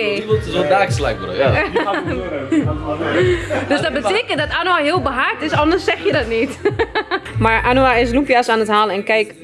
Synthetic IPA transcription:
esodaːksla̰kbəro̰ja | døsdɔt̚bəteːkəntdɔtanoaɦɪːlˠbəɦartɪsɔndərsɛxjədɔtnit | maɹʔanoaɪs̬lupjasaːnəthaːlˠɛnkɛjk

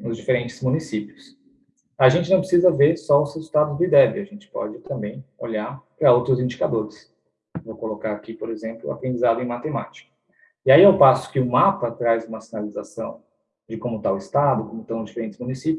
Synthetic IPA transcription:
nʊzd͡ʒifeɾẽnt͡ʃɪ̥zmũnisipiʊs | aʒẽnt͡ʃɪnɐ̃w̃pɾɪsizɐveɾsɔʊshezut̪ad̪ʊzd̪ɪd̪ɛbɪɐʒẽnt͡ʃɪ̥pɔ̰d͡ʒɪt̪ɐ̃mbẽj̃o̰ʎaɾpɾɐowt̪ɾʊzĩnd͡ʒikad̪oɾɪs | vowkolokaɾakipoɾezẽmplʊ̰a̰pɾẽnd͡ʒizad̪ʊẽj̃mat̪emat͡ʃi̥kɐ̥ | iaiewpasʊ̥kɪʊmapɐt̪ɾajzũmɐsinalizasɐ̃w̃ | d͡ʒɪkõmʊt̪aʊɪst̪ad̪ʊkõmʊt̪ɐ̃w̃ʊzd͡ʒifeɾẽnt͡ʃɪzmunisipjʊ

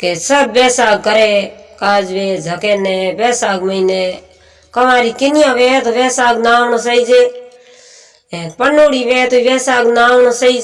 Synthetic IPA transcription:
kesəbːɛːsaːɡ̚kəɾeːkaːd͡ʒʋeːd͡ʒʱəkeːnẽːʋɛːsaːɡməineː | kəʋãːɾiːkɪnɪjãːʋeːt̪oːʋɛːsaːɡnaːnsəid͡ʒeː | ɛ̃ːpənoːɽiːʋeːt̪oːiːʋɛːsaːɡnaːʋnːsəiː

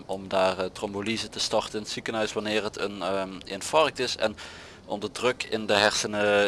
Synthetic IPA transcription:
ʔɔmdaːrtrɔmbolizətəstɑrtənɪnətsikənɦœɥsʋanɪːrɦətʰənenfɑrk̚tɪsɛ̰n | ʔɔ̰mdədrɵkɪndəɦɛɹsənə

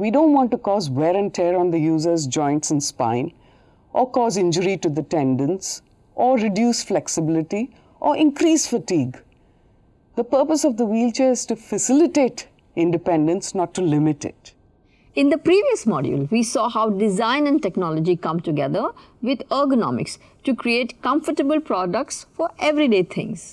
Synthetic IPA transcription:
ʋiɖõːnʈwɔ̃ːnʈukɔːzwɛɾə̃nʈʰɛɾɔ̃nd̪əjuːzəzd͡ʒɔ̃ɪ̃nʈsə̃nspã̰ɪ̃n | ʔɔkɔːzɪ̃nd͡ʒəɾiʈud̪əʈɛ̃nɖə̃ns | ʔɔːɾɪɖjuːsflɛksɪbɪlɪʈi | ʔɔːʔɪ̃nkɾiːsfəʈiːɡ | d̪əpəɾpəsɔvd̪əwiːlt͡ʃeːɪz̥ʈufəsɪlɪʈeːʈ | ɪ̃nɖɪpɛ̃nɖə̃nsnɔʈːulɪmɪʈɪ̰ʈ | ɪ̃nd̪əpɾiːʋiəsmɔɖjṵlʋiːsɔːhaʊɖɪzãɪ̃nɛ̃nɖʈɛknɔləd͡ʒikʌ̃mʈuɡɛd̪əɾ | ʋɪd̪ɔɡənɔ̰mɪ̰ks | ʈukɾieːʈkʌ̃mfəʈəbəlpɾɔɖək̚ʈsfɔɾʔɛʋɾiɖeːt̪ʰɪ̰̃ŋz̥

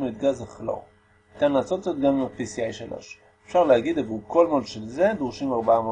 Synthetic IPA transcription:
mid̪̚ɡazaχlo̰ʁ | t̪anlaːsot̪zot̪ɡamimapisiajʃalʔo̞̰ʃ | efʃaʁleaɡid̪avuko̞lmolʃelzed̪ʁuʃimaʁbamo

